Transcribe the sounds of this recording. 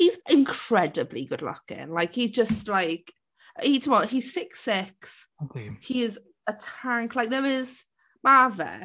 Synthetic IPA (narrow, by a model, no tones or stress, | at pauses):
hizɪ̃nkʰɹ̥ɛdəblḭɡʊdˡlə̰kɪ̰̃ŋlaɪkhizd͡ʒəstlaɪk | itʰəmɔiz̥sɪksɪks | dhiɪz | ətʰãŋkʰlaɪk̚ðəɹɪz̥ | maːvə̰